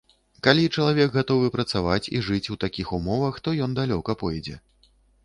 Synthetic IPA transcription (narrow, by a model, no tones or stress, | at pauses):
kalʲit͡ʂɐlˠavʲɛkɣat̪ɔvɨpɾɐt̪savat͡sʲḭʐɨt͡sʲuwt̪akʲixumɔvɐxt̪ɔjɔnd̪alʲɔkɐpɔjɛd͡zʲɛ̰